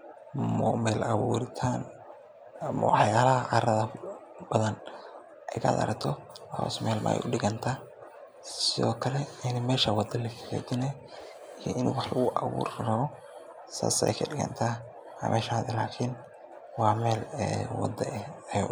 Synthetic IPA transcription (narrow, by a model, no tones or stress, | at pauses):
mɔmɛːlʔɐβuːɾɪt̪ʰaːn | ɐmɐ̰wħjaːlɐɐʕɑːɾɐðɐ | b̥ɐðɐn | ʔɛjkʰɐ̰ːd̪ɐ̰ɾɐkt̪ʰɔɐhɔ̰ːsmɛːlmɐ̰ɛ̰jʊɖɪɣɐnt̪ʰaː | sɪðɔːkʰɐlɛɪnmɛːʃɐwɑd̪ɐlɐkʰɐ̥kɛ̰ːd̪ɪnɛj | ijɔʔɪnṵːwɑħlɐɣʊʔɐβṵːrrɐβɔ | sa̰ːsɛ̰jkʰɐɖɪɣɐ̰nt̪ʰaː | ɑ̰mʔɛːʃaːðɛlaːkʰɪn | wɑːmɛːlɛːwɑ̰d̪ɐʔɛɛj